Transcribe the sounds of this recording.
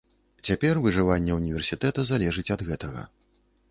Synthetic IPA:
t͡sʲapʲɛrvɨʐɨvanʲːɛunʲivʲɛrsʲit̪ɛt̪ɐzalʲɛʐɨt͡sʲɐd̪ɣɛt̪ɐɣɐ̰

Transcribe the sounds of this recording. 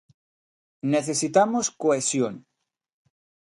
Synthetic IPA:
neθesit̪amoskoesjon

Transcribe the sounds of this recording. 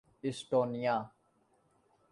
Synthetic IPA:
ɪsʈoːnijaː

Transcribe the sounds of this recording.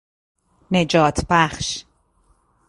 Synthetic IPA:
ne̞d͡ʒɒːt̪ʰbæχʃ

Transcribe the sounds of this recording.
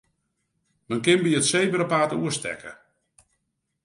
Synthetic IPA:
mənkɪnbiətsejbəɾəpaːtuəstɛ̰kə̰

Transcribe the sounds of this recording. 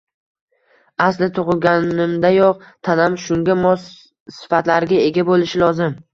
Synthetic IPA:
aslɪt̪ʰʊʁɨɡʲanɪmd̪ajoq̚t̪ʰanamʃʊŋɡʲamɒs | sɪ̥fat̪laɾɡʲae̞ɡʲabolɪʃɪlɒzɪm

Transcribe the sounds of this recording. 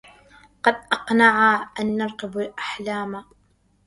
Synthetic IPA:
qɑd̪̚ʔɑqnaʕaʔanːɑɾˤqɪbalʔaħlaːma

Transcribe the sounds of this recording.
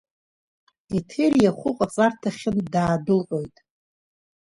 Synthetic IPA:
itʰerjaχʷʊqʼat͡sʼartʰaχʲɪndaːdɨlqʷʼo̞jtʼ

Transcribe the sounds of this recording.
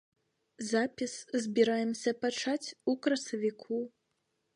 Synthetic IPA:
zapʲiszʲbʲiɾajɛmsʲɐpat͡ʂat͡sʲukɾɐsɐvʲikʰu

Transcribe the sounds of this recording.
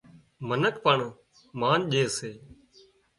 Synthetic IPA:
mənəkpəɳː | maːnʄeːseː

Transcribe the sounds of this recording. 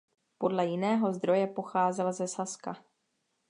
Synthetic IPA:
po̞dlɛjɪnɛːɦo̞zd̪ɾo̞jɛpo̞xaːzɛlzɛsaska̰

